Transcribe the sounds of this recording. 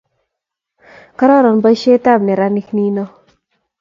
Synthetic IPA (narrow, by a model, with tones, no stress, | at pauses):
ka˦ɾɔ˦ɾɔ˨nba˦jʃe˦t̪a˦˨bne˨ɾa˦ni˦kni˦nɔ˦